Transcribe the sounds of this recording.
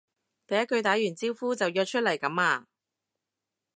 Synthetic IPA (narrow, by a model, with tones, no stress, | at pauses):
t̪ɐ˨jɐ˥t̚kːɵ˧ɥt̪aː˨˥jyː˨˩nt͡siː˥wfuː˥t͡sɐ˨wjœː˧t̚t͡ʃʰɵ˥t̚lɐ˨˩jkɐ˨˥maː˧